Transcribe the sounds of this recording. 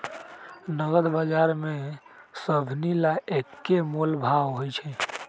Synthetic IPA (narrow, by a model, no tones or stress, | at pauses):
nəɡəd̪bad͡ʒaɾme | səbʱnilaekkːemolbʱawɦojt͡ʃʰɛ